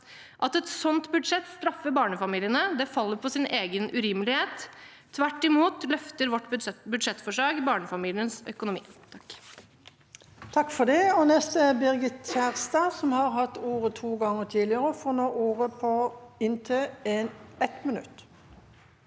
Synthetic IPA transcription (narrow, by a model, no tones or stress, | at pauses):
ʔɑt̪ɛt̪sɔnt̪bʉd̪ʂɛt̪st̪ɾɑfːəbɑːɳəfɑmiːlɪənəd̪ɛfɑlːəɾpʰɔsɪnʔeːɡənʔʉɾɪməlɪheːt̪ʰː | ʋæʈːɪmuːt̪lœft̪əɾʋɔʈːbbʉd̪ʂɛt̪ːfɔʂɑːɡbɑːɳəfɑmiːlɪənsœ̰kʊnʊmḭːt̪ʰɑkː | t̪ʰɑkfɔd̪ɛɔnɛst̪əɛbɪʁɡɪt̪t͡ʃæːʁst̪ɑːsɔmhɑɾhɑt̪ːuːʁət̪ʰuːɡɑŋːət̪ʰiːlɪəʁəɔfɔːnoːʔuːʁəpʰɔɪnt̪ʰøːɛnɛt̪mənʉ̰t̪ː